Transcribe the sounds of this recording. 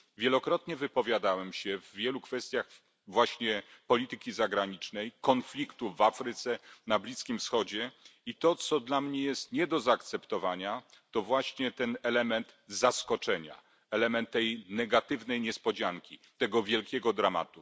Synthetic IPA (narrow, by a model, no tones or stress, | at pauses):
vʲjɛlɔkɾɔt̪ɲɛvɘpɔvʲjad̪awɛmɕɛvːʲjɛlukfɛst̪ʲjax | vwaɕɲɛpɔlʲit̪ɘkʲizaɡɾaɲit͡ʂnɛjkɔnflʲikt̪uvafɾɘt̪sɛnablʲiskʲimfsxɔd͡ʑɛit̪ɔt̪sɔd̪lamɲɛjɛst̪ɲɛd̪ɔzaːkt̪sɛpt̪ɔvaɲat̪ɔvwaɕɲɛt̪ɛnɛlɛmɛnt̪zaskɔt͡ʂɛɲa̰ | ɛlɛmɛnt̪ːɛjnɛɡat̪ɘvnɛjɲɛspɔd͡ʑaŋkʲit̪ɛɡɔvʲjɛlkʲɛɡɔd̪ɾama̰t̪u